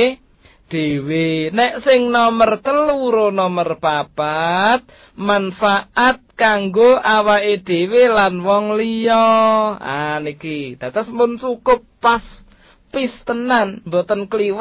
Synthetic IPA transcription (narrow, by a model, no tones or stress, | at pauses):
ɖ̥ewenɛʔsɪŋnɔmərt̪əluɾonɔmərb̥ab̥at̪̚ | manfaʔat̪̚kaŋɡoʔawaed̥e̤welanwɔŋlijɔa̰nikid̪̥a̤t̪əsmʊnsukʊp̚ːas | pist̪ənanmbot̪ənkəliw